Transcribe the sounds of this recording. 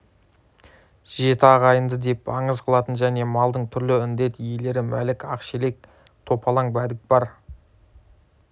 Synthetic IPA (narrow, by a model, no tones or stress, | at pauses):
ʒ̥e̞t̪ɪɑʁɑjənd̪əd̪e̞pɑɴəzqʰəlˠɑt̪ənʒæne̞mɑlˠd̪əɴt̪ʰʏɾlɪʏnd̪e̞t̪ije̞le̞ɾɪmæ̰lɪkɑqʃele̞k̚ | t̪ʰo̞pʰɑlˠɑŋbæd̪ɪk̚bɑɾ